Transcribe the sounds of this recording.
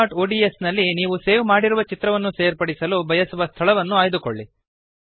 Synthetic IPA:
ʈoːɖiesnɐlːiniːʋuse̞ːʋmaːɽiɾuʋɐt͡ʃit̪ɾɐʋɐnːuse̞ːɾpɐɽisɐlubʱɐjɐsuʋɐst̪ʰɐɭɐʋɐnːuaːjd̪uko̰ɭːi

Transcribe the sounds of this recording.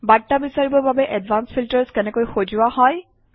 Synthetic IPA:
batːabisaɹibɔbabɛʔɛdvʱanspʰiltɛɹskɛnɛkojxozʊwahɔj

